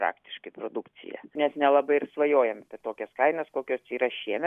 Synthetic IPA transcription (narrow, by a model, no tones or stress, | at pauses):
pɾɑ̰ːkt̪ʲɪ̥ʃkɐɪpɾoːd̪ʊkt͡ssʲɪ̰jɛ̰nʲɛsnʲɛlˠɐbɐɪɪrsʋɐjoːjɛmpʲɛt̪oːkʲɛskɐɪnɐskoːkʲoːst͡ʃʲiːɾɐʃʲiɛmʲɛ